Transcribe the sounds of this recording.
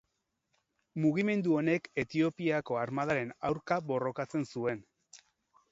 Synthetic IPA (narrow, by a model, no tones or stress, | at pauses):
muɣime̞nd̪uo̞ne̞ke̞t̪io̞piako̞aɾmaðaɾe̞nawɾkaβo̞ro̞kat͡se̞nsue̞n